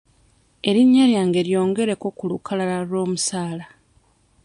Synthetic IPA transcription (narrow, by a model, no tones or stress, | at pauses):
e̞ɾiɲːaɾjaːŋɡe̞ɾjo̞ːŋɡe̞ɾe̞ko̞kulukʰalalaɾwo̞ːmusaːla